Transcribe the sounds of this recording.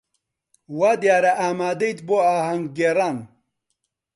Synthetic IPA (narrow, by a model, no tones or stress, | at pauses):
waːd̪jaːɾɐʔaːmaːd̪ejt̪boaːhɐŋɡːeɾaːn